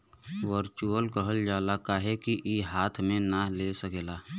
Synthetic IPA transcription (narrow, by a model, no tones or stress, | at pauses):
ʋəɾt͡ʃuəlkəɦəld͡ʒaːlakaːɦekiʔiɦaːt̪ʰmẽnalesəkeːlaː